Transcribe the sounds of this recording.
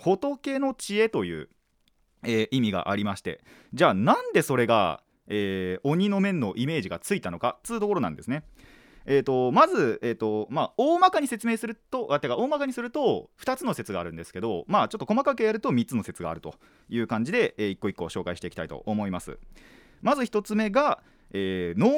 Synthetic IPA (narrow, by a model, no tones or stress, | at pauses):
ko̞t̪o̞ke̞no̞t͡ɕie̞t̪o̞jɯ̟̰ː | eːʔimʲiɡa̰ʔaɾʲimaɕi̥t̪e̞̰ | d͡ʑaːnãnd̪e̞so̞ɾe̞ɡa̰ | eːo̞ɲ̟ino̞mẽ̞nːo̞ʔime̞ːʑiɡat͡sɨit̪ano̞kat͡sɨːt̪o̞ko̞ɾo̞nã̰nd̪e̞sɨne̞ | eːt̪o̞mazɨeːt̪ːo̞maoːmakaɲ̟ise̞t͡sɨme̞ːsɨɾɯ̟t̪o̞ʔat̪ːekao̞ːmakaɲ̟isɨɾɯ̟t̪o̞ɸɯ̟̥t̪at͡sɨno̞se̞t͡sɨɡaːɾɯ̟̃nd̪e̞sɨ̥ke̞d̪o̞maːt͡ɕo̞t̪ːo̞komakak̬e̞jaɾɯ̟t̪o̞mʲit͡sɨno̞se̞t͡sɨɡa̰ːɾɯ̟t̪o̞̰ | jɯ̟ːkãɲ̟d͡ʑid̪e̞eːikːo̞ikːo̞ɕo̞ːkaiɕit̪e̞ikʲi̥t̪ait̪o̞̰ʔːmo̞imasɨ̰ | mazɨçi̥t̪o̞t͡sɨme̞ɡa | eːno̞ː